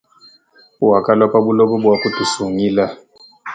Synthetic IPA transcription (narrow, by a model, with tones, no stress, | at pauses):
u˦wa˨ka˦lwa˦pabu˦lɔ˦ɓɔ˦bwa˦ku˦ti˨su˨ŋi˦la˦